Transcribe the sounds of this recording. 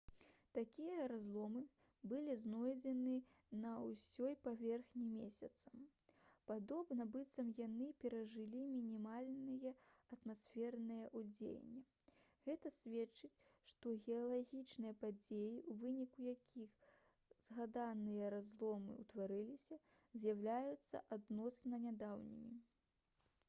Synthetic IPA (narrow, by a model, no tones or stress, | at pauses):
t̪akʲijɐɾazlˠɔmɨ | bɨlʲiznɔjd͡zʲɛnɨ | nɐusʲɔjpavʲɛrxnʲimʲesʲɐt̪sɐmpad̪ɔbnɐbɨt̪sɐmjanɨpʲɛɾɐʐɨlʲimʲinʲimalʲnɨjɐɐt̪masʲfʲɛrnɨjɐʔud͡zʲḛj̰nʲːɛ | ɣɛt̪ɐsʲvʲɛt͡ʂɨt͡sʲʂt̪ɔɣʲɛalˠaɣʲit͡ʂnɨjɐpad͡zʲejiʔuvɨnʲikujakʲʰix | zɣad̪anɨjɐɾazlˠɔmɨ̰wt̪vaɾɨlʲisʲɐ | zʲjawlʲajut̪sːɐ̰ʔad̪nɔsnɐnʲad̪awnʲḭmʲi